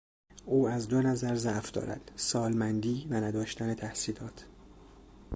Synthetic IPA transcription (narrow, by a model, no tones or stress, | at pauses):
ʔuːæzd̪o̞næzæɾzæʔfd̪ɒ̰ːɾæ̰d̪̥sɒːlmænd̪iːvænæd̪ɒːʃt̪æne̞t̪ʰæhsiːlɒːt̪ʰ